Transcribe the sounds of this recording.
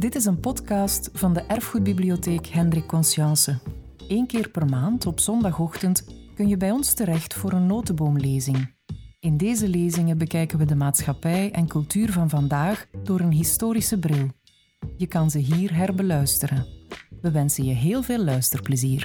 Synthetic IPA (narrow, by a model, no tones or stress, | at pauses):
dɪtɪsənpɔtkɑːstfɑndəʔɛrfxut̚biblioteːkɦɛndrɪkːɔnsjɑnsə | eːnkɪːrpɛrmaːntɔpsɔndɑxɔxtəntkɵnjəbɛjɔnstəɾɛxtfoːɾənːoːtəboːmleːzɪŋ | ɪndeːzəleːzɪŋəbəkɛjkənʋədəmaːtsxɑpɛjɛnkɵlˠtyːrvɑnvɑndaːxd̥oːɾənɦɪstoːɾisəbrɪlˠ | jəkɑnzəɦiːrɦɛrbəlœɥstəɾənʋəʋɛnsənjəɦeːlˠveːlːœɥstərpləziːr